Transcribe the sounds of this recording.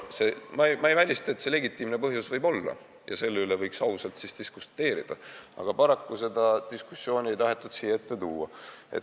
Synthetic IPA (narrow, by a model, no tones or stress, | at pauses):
se̞mɑjmɑejvælʲist̪ɑet̪se̞le̞ɡit̪ːˑiːmne̞pɤɦjusvɤjbo̞lːɑ̰ | jɑ̰se̞lːeylevɤjksɑwsɑlt̪sist̪iskust̪ːˑe̞ːɾḭd̪̥ɑ̰ɑ̰ɡ̥ɑpɑɾɑkːuse̞d̪̥ɑt̪iskusːjo̞ːnʲie̞jt̪ɑɦe̞t̪ːˑud̪̥siːeet̪ːe̞t̪uːɑḛt̪